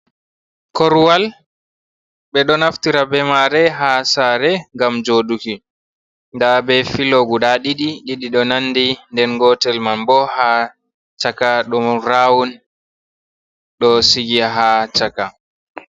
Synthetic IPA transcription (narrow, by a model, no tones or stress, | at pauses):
kɔɾwal | ɓɛɗɔnaftiɾabɛmaɾɛɦasaɾɛŋɡamd͡ʒoːɗuki | ndabɛfiloɡudaɗiɗiɗiɗiɗɔnanːdindɛnɡɔtɛlmanbɔha | t͡ʃakaɗɔmɾawun | ɗɔsiɡiɦat͡ʃaka